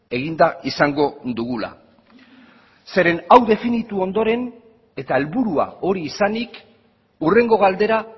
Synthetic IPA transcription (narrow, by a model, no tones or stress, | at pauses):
e̞ɣ̞ind̪aʔisaŋɡo̞d̪uɣ̞ula̰ | se̞ɾe̞nawðe̞finit̪uo̞nd̪o̞ɾe̞n | e̞t̪aelβuɾua̰o̞ɾiːsanik | ure̞ŋɡo̞ɣald̪e̞ɾa